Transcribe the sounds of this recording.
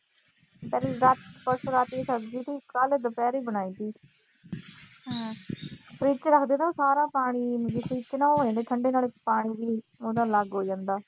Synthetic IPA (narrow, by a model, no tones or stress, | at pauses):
pɛːɾiɾat̪pəʃoːɾaːt̪esəkd͡ʒiːt̪iːkəld̪əpɛːɾiːbəɽ̃aːiːt̪iː | pʰɾiːt͡ʃɾəkʰd̪eːd̪aõːsaːɾãːpaːɽ̃iːmd͡ʒipʰɾiːt͡ʃnãːoːãːd̪eːt̪ʰəɳɖeːnaːlɪkpaːɽ̃iːʋiː | od̪ãːləɡɦoːd͡ʒãːnd̪aː